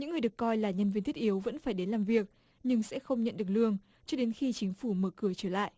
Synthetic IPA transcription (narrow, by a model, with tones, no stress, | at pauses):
ɲɨ̰˧˥ŋːɨ˨˩əɗɨ˨˩əkːɔ˧jlaː˨˩ɲə˧nvi˧nt̪i˦˥t̚ʔi˨˦əwvə̰˧˥nfaː˧˩jɗe˨˦nlaː˨˩mvi˨˩ək̚ | ɲɨ˧ŋsɛ̰˧˥xə˧wŋ͡mɲə̰˧˨nɗɨ˨˩ək̚lɨ˧əŋ | t͡ɕɔ˧ɗe˨˦nxi˧t͡ɕï˨˦ŋ̟fu˧˩məː˧˩kɨ˧˩ət͡ɕəː˧˩la̰ː˧˨jʔ